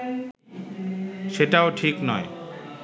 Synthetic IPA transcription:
ʃeʈaoʈʰiknɔ̰e

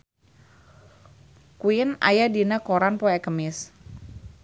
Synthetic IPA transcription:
kuɪna̰jadinakoɾanpɔɛkəmɪs

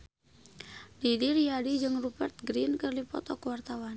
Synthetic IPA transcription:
didirjadid͡ʒɨŋrubɛrt̪̚ɡɾinkərlipɔ̰t̪ɔkwart̪awan

